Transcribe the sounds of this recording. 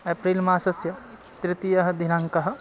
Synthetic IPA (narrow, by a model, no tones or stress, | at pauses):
epɾiːlmaːsɐsjɐ | t̪ɾɪt̪ijɐɦɐ̆d̪ʱinɐŋkɐɦɐ̆